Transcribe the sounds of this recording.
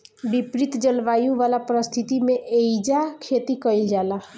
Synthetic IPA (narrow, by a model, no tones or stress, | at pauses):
bipɾit̪d͡ʒəlʋajuʋalapɾəst̪ʰit̪imeʔeid͡ʒakʰet̪ikəild͡ʒala